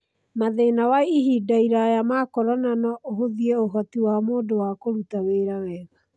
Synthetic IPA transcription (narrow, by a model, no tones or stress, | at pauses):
maðenawaiɦidaiɾajamaːkɔɾɔnanɔʔoɦoðiɛoɦɔtiwamoːdowakoɾutaweːɾawɛɣa